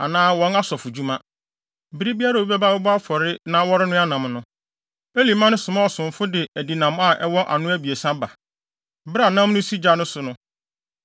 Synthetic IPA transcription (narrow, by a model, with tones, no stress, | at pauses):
a˨nãː˦wɔ̃˨˦na˦sɔ˨fʊ˨d͡ʑu˦mã˦ | bi˦ɾi˦bi˦a˦ɾa˨o˦bɛ˦ba˦wɛ˦bɔ˦a˦fɔ˨ɾɪ˦nã˦wɔ˦ɾɪ˦nʊ̃˦a˦nã˨mnʊ̃˦ | e˦li˨mã˦nʊ̃˦sʊ̃˨mã˦ɔ˨sʊ̃˨ɱ˨fʊ˦dɪ˨æ˨di˨nã˨m˦a˦˨ʔɛ˦wɔ˦ʔa̰˨nʊ̃˦æ˦bi˨e˨sã˦ba˨ | bɾa˨nã˦m˦nʊ̃˦si˦d͡ʑa˦nʊ̃˦sʊ˨nʊ̃˦